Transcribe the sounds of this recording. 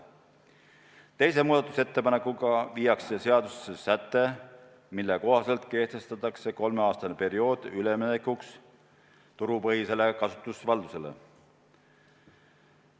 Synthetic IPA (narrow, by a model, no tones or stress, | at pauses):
t̪e̞js̬e̞muːd̪̥ɑt̪ːˑuse̞t̪ːe̞pɑne̞kːˑuɡ̥ɑviːjɑkse̞se̞ɑd̪̥ussesæt̪ːe̞ | milːeko̞ɦɑse̞lt̪ke̞ht̪e̞st̪ɑt̪ːˑɑkse̞ko̞lme̞ɑːst̪ɑnepe̞ɾio̞ːd̪̥yleminekːuks | t̪uɾupɤhise̞le̞kɑsu̥t̪ːˑusvɑld̪use̞le̞̰